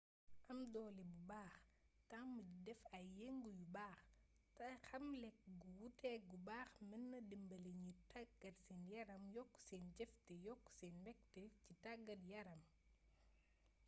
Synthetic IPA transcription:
ʔɐmdɔːlibubaːxtaŋmɐidɛfɐjɛŋɡujubaːx | tɐxɐmlɛk̚ɡuwutɛːɡubaːxmɛnːɐdimbɐleɲitaɡ̥ːɐrsɛːnjɐɾɐmjɔkːu̥sɛːnɟɛftɛjɔkːu̥sɛːnmɛk̚tɛcitaɡːɐrjɐɾɐm

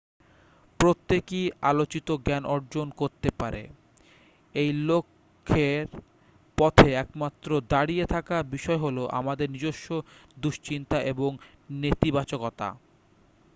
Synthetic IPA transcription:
pɾot̪ːekialot͡ɕit̪oɡɛnʔɔɾd͡ʑonkoɾt̪epaɾḛ | ejlokʰː | eɾ | pɔt̪ʰeɛkmat̪ːɾod̪aɽiet̪ʰakabiʃɔeɦoloʔa̰mad̪eɾnid͡ʑoʃːod̪uʃt͡ɕint̪aʔeboŋ | net̪ibat͡ɕokɔt̪a̰

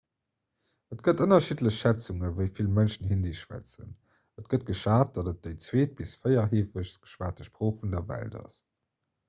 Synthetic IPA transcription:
ətɡ̥ətənɐʃitləɕʃæt͡suŋəvəɪfilmənʃən̩ɦindiʃwæ̰t͡sə̰n | ətɡ̥ət̚ɡ̥əʃaːt̚d̥ɑdət̚d̥eɪt͡sweːt̚b̥isfɜɪɐɦeːfəɕsɡ̥ə̥ʃwaːt̚əʃpʁ̥oːχfundɐvæ̰ldɑ̰s

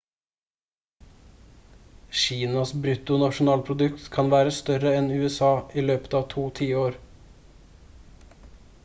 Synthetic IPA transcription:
ʃiːnɑsbɾʉt̪ʊnɑʃʊnɑːlpʰɾʊd̪ʉkt̪kʰɑnʋæːɾəst̪œɾəɛnʉːɛsɑːʔiːløːpə̥t̪ɑːʋt̪ʰuːt̪ʰiːəoːɾ

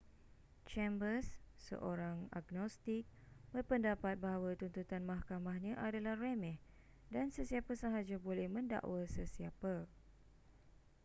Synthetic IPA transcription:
t͡ʃɛmbəsːə̰ʔoɾaŋa̰ɡnɔst̪ik̚ | bərpəndapat̪̚baɦawat̪unt̪ut̪anmahkamahɲãʔadalahremɛh | dansəsiapasaɦad͡ʒabolɛhmə̃nda̰ʔwasəsiapa

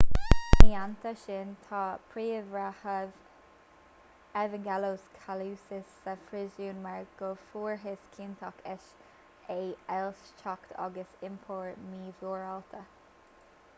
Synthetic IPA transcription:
miːant̪əʃɪnt̪ʰɑːpʰɹiːəvɾahəv | ɛvəŋɡɛloːskʰaluːsɪsːəfɾɪzuːnmaɹɡ̥ofuːɹɦɪskʰiːnt̪ʰɔkʰɛʃ | eɛlst͡ʃʰɔkt̪ʰɑ̰ɡəsɪmpʰɔːɹmiːvuːɹɔlt̪ʰə

